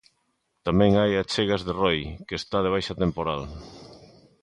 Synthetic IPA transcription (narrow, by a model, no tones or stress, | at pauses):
t̪amɛ̃ŋajat͡ʃeɣazðerojkest̪að̞eβ̞ajʃat̪empoɾal